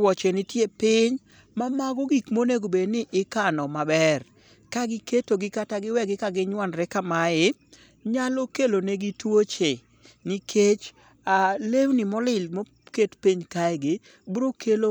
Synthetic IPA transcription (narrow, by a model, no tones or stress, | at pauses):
wɔt͡ʃenɪtjepɪɲ | mamaɡɔɡikmoneɡobednɪʔɪkanɔmabɛr | kaɡɪketoɡɪkataɡɪwɛɡɪkaɡɪɲwanɾɛkamaɪ | ɲalokeloneɡɪtwot͡ʃe | nɪkʰet͡ʃ | alewnɪmɔlɪlmo | ketpiɲkaɪɡɪ | buɾokʰelo